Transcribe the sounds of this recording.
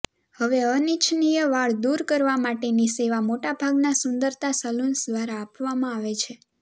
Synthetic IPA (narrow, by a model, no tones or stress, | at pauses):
həʋeənit͡ʃʰnijəʋaɭd̪uɾkəɾʋamaʈeniseʋamoʈabʱaɡnasʊnd̪əɾt̪asəlunsd̪ʋaɾaːpʋamãaʋet͡ʃʰe